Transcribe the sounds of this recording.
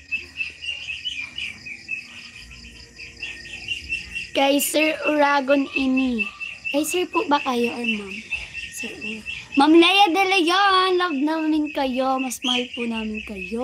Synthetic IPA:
kɐjsɛɹʔʊɹaːɡonɪnikɐjsɛɹpʊʔbɐkajoʔɐmamsɛmɐmlajɐd̪ɐlɐjolɐɡ̚nɐwnɪnkɐjomɐsmɐhɐjpʊʔnaːmɪnkɐjo

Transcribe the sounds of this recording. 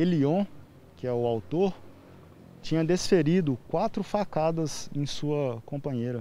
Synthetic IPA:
eliõ | kɪɛʊawt̪oɾ | t͡ʃĩɲɐd̪esfeɾid̪ʊkwat̪ɾʊfakad̪ɐzḛ̃j̃suɐkõpɐ̃ɲejɾɐ

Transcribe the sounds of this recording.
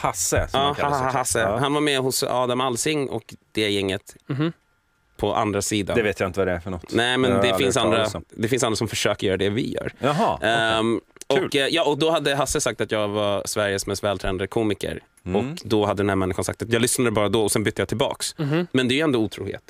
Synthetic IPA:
hasəɑːahasːəhanvaɾmɛhʊsɑ̰ːd̪amalsɪŋːʔɔ̰kd̪̥ɛjɛŋːət̪ | pʰɔʔa̰nd̪ɾasiːd̪a̰d̪ɛveːt̪jaɪnt̪əad̪ɛæɾfœɳɔt̪ːnɛɪmɛnd̪ɛfɪnsand̪ɾad̪ɛfɪns̬and̪ɾasɔmfœʂøːkəɾjœːɾad̪ɛvɪ̰jœ̰ːɾɦɑ | ʔɔʉkːjɑːɔk̚d̪ɔɦad̪ːəɦasːəsak̚t̪at̪jɑːɡvasvæɾjəsmɛst̪vɛːlt̪ʰɾɛːnad̪əkʰuːmɪkə̰ɾ | ɔkd̪ɔhad̪ːəd̪ɛnhæɾmɛnːɪɧansak̚t̪at̪jɑːɡlʏsnad̪əbɑːɾad̪ɔɔsɛnbʏt̪ːəjɑːt̪ʰɪlbɑ̰ːksmɛnd̪ɛjɵɛnd̪ɔuːt̪ʰɾṵːhḛːt̪

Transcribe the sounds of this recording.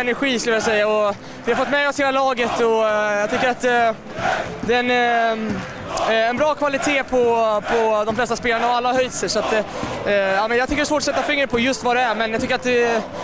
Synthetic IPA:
ɛnæɾɧiːskɵləjasɛjːaɔ | d̥̪ɪhaɾfɔt̪ːmɛɔsheːlalɑːɡət̪ɔjɑɡt̪ʏkːəɾat̪ | d̪ɛɛn | ɛnbɾɑːkʰvalɪt̪ʰeːpʰɔpʰɔd̪ɔmflɛst̪aspeːlaɳaɔalːahœjt̪səʂɔat̪ | aːmɛnjɑɡt̪ʏkːəɖɛsvoːʈ̬ːɔsɛt̪ːafɪŋːɾəpʰɔjɵst̪vad̪ɛæɾmɛnjɑkt̪ʏkːəɾat̪̚d̪ɛ

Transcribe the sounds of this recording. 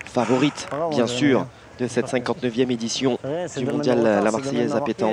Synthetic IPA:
favɔʁit̪bjɛ̃syʁ | d̪əsɛt̪sɛ̃kɑ̃t̪nəvjɛmed̪isjɔ̃d̪ymɔ̃d̪jallamaʁsɛjɛzapet̪ɑ̃

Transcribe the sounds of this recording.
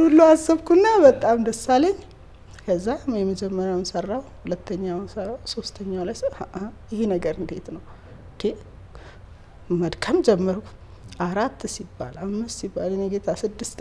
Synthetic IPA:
ulːuasːɨβkʰunːabət̪ʼamd̪əsːaleɲ | kʰəzːajɛməd͡ʒɛmːəɾjawnsərːawhulət̪ʰːəɲːawnsərawso̞st̪ʰəɲːawlajsjɪhinəɡəɾɨnd̪e̞t̪nəw | d̪̥e | məd̪kʰəmd͡ʒɛmːəɾk | ʔaɾat̪ːsibːa̰lamːɨst̪sibːalɨɲɛɡet̪ʰasɨd̪ːɨst̪

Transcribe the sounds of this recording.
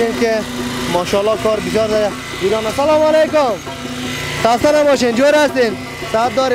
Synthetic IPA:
enke | mɔːʃɔlːɔkɔːɾbɪsjɔːɾzad̪a | d͡ʒid̪ɔːnasalɔːmalekʊm | t̪ast̪anabɔːʃend͡ʒoːɾast̪en | sat̪̚d̪ɔːɾe

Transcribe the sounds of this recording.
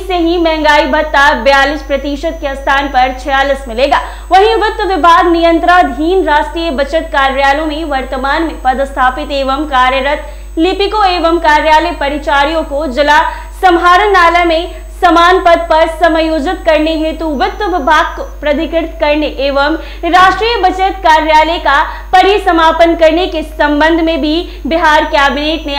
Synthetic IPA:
seɦĩmɛ̃ːŋɡaːibʱɐt̪ːabjaːlʊspɾɐt̪iːʃət̪̚keɐst̪ʰaːnpɐɾt͡ʃʰɛjaːlismɪleːɡaː | ʋɐɦĩʋɪt̪ːwʋɪbʱaːɡnijə̃nt̪ɾad̪ʱiːnɾaːsʈɾiːjəbɐt͡ʃət̪̚kaːɾjaːlõmẽʋɐɾt̪əmaːnmẽpɐd̪st̪ʰaːpɪt̪eːʋəmkaːɾjəɾət̪ | lɪpɪkoeːʋəmkaːɾjaːlepɐɾɪt͡ʃaːɾijõkod͡ʒɪla | sɐmɦaːɾənaːlamẽ | sɐmaːnpɐd̪̚pɐɾsɐmjoːd͡ʒɪt̪̚kɐɾneɦɛ̃t̪oʋʊt̪əʋɪbʱaːɡ̚kopɾɐd̪ɪkɪɾt̪kɐɾneʔeːʋəm | ɾaːʃʈɾiːjəbɐt͡ʃət̪kaːɾjaːleka | pɐɾisɐmaːpənkɐɾnekesɐ̃mbə̃nd̪ʱmẽbʱi | bɪɦaːɾkjɛːbɪneːʈne

